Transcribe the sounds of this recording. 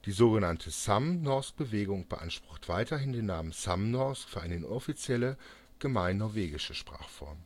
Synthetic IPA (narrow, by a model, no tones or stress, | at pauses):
d̥iːzoːɡənantʰəsamnɔɐsk̚b̥əveːɡʊŋb̥əʔa̰nʃpʁ̥ʊχtv̥aɪtɐɦɪndeːnːaːmənsa̰mnɔɐskfyːɐʔaɪnəɔfit͡sjɛlə | ɡ̥əmaɪnːɔɐveːɡɪʃəʃpʁ̥a̰ːχfɔ̰ɐm